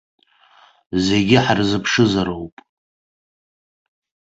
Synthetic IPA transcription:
zeɡʲɪħarzɨpʰʂɨzaɾowpʼ

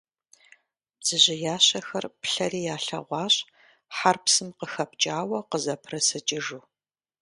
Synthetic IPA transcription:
z̥ɨʑɪjaːɕɐxɐrpɬɐɾiːjaːɬɐ̰ʁʷɑːɕʼ | ħarpsɨmqəxɐp̚t͡ʃʼaːwɐqəzɐpʰrɐsɨt͡ʃʼɪʒuː

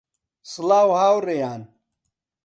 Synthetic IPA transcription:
slaːwhaːwɾejaːn

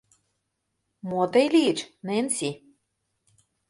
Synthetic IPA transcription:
mot̪əjliet͡ɕnensi

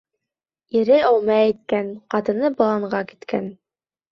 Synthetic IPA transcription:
iɾɘæwmæːjt̪̚kænqɑt̪ɤ̆nɤbɤ̆lˠɑɴɢɑki̥t̪kæn

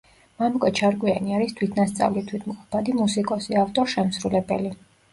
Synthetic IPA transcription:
mamukʼɔt͡ʃʰaɾɡwianiaɾist̪ʰwit̪ʰnast̪sʼa̰vlit̪ʰwit̪ʰmqʼɔpʰad̪imusikʼɔsiaft̪ʼɔɾʃɛmsɾulɛbɛ̰li

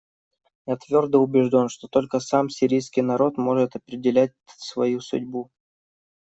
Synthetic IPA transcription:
jat̪vʲo̞rd̪əʊbʲɪʐdʲo̞nʂt̪o̞t̪o̞lʲkəsamsʲɪɾʲijskʲijnɐɾo̞t̪mo̞ʐɨt̪ɐpɾʲɪdʲɪlʲæt̚ʲsvɐjusʊ̰dʲbu

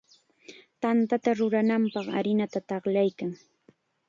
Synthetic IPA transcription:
t̪ant̪at̪aɾʊɾanampɑχaɾɪnat̪at̪ɑχlajkaŋ

